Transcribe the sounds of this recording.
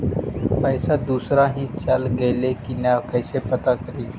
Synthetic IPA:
pəjsad̪uːsɾaɦiːt͡ʃəlɡelekinakəjsepət̪akəɾiː

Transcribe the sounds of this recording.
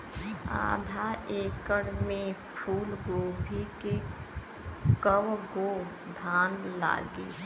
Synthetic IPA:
a̰ːd̪ʱaʔeːkəɽmẽpʰuːlɡoːbʱike | kəʋɡo | d̪ʱaːnla̰ːɡḛː

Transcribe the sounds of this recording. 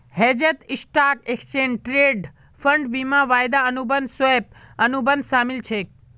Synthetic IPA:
hɛːd͡ʒət̪ɪsʈaːkekt͡ʃeːnʈɾeːɖ | fʰəɳɖbiːmãʋaːjd̪aənubənd̪soep̚ɐnubənd̪ʃaːmɪlt͡ʃʰeː

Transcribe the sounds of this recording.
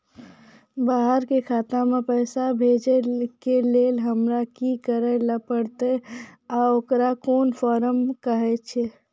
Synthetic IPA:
baɦəɾkekʰat̪ãmepəjsabʱed͡ʒekelelɦəmɾakikəɾələpəɽt̪eaokɾakonpʰɔːɾəmkəɦɛt͡ʃʰe

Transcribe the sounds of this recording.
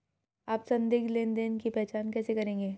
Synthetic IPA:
aːpsɐ̃nd̪ɪɡleːnd̪eːnkipɛɦt͡ʃaːnkɛːsekɐɾẽːŋɡeː

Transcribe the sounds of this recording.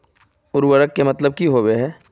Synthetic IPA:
ʊɾwəɾəkːemɐt̪ləb̚kiɦoweɦɛː

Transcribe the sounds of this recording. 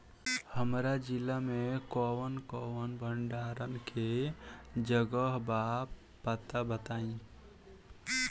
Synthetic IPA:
həmɾad͡ʒilːamekɔwənkɔwənbʱəɳɖaɾənke | d͡ʒəɡəɦbap | pːət̪abət̪aĩ

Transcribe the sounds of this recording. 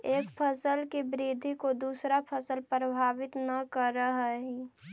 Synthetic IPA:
eːkpʰəsəlkibɾid̪ʱikod̪uːsɾapʰəsəlpɾəbʱaːʋɪt̪nəkəɾːəɦɛɦi

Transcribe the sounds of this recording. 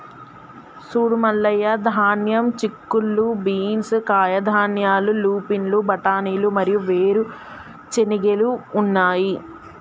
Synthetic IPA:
suːɽumɐlːɐjɐd̪ʱaːnjɐmt͡ʃikːulːubiːnskaːjɐd̪ʱaːnjaːluluːpinlubɐʈaːniːlumɐɾijuʋeːɾu | t͡ʃeniɡeluːnːaːji

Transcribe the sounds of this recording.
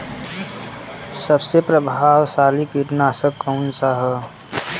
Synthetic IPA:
səbsepɾəbʱaːwsaːlikiɾnaːsəkːəʊnsaɦɛ

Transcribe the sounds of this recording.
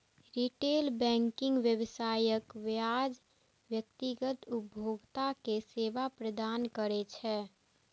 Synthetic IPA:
ɾiʈeːlbɛ̃ːŋkɪ̃ŋɡʋjəwsaːjəkwjaːd͡ʒ | ʋjək̚t̪iɡət̪ʊbʱjoːɡt̪akeseːʋapɾəd̪aːnkəɾet͡ʃʰɛː

